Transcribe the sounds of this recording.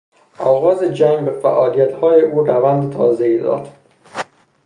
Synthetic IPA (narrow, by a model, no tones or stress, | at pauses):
ɒːɣɒːzed͡ʒæŋɡbefæ̰ʔɒːlijæt̪hɒːjeʔuːrævænd̪et̪ʰɒ̰ːzeid̪ɒ̰ːd̪̥